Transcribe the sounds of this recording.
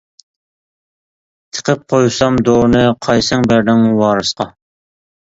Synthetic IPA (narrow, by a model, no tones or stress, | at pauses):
t̪ʰə̥qʰəp̚qʰojsɑmd̪oːnɨqʰɑjsɨŋbæɾd̪ɪŋwɑːɾɨsqʰɑ